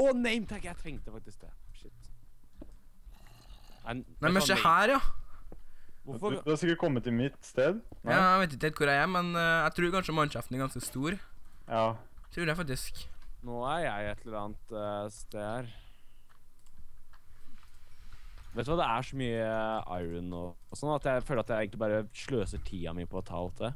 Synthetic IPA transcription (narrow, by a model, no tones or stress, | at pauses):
ɔnɛɪmt̪ʰɑkːjæɪt̪ʰɾɛŋt̪əfɑk̚t̪ɪsk̚d̪ɛ̰ːʂɪt̪ː | ænæmɛnsɛhæːɾjɑ | ʋʊfd̪hɑɾsɪkːəʈ̚kʰɔmːət̪ʰːɪmɪt̪ːst̪eːd̪jɑæʋeɪt̪ɪkt̪ːɛt̪kʰʊɾææmɛnjæt̪ʰɾʉːɾkɑnʂəmɑnʂɑft̪næɾɡɑnskəst̪uːɾjɑːt̪ʰɾʉːɾjæfɑkt̪ɪsknoːæɾjæɪɛt̪ʰːləəɾɑːnt̪st̪eːd̪æɾ | ʋet̪ːʋɑːd̪ɛæʂɔmyːəɑ̰ɪɾənɔ̰ | sɔnːɑt̪jæɪføːlɾɑt̪jæɪeːɡŋk̪lɪbɑːɾəʂɭøːsəʈʰiːɑ̰mɪpʰɔt̪ʰɑ̰ːlt̪ʰə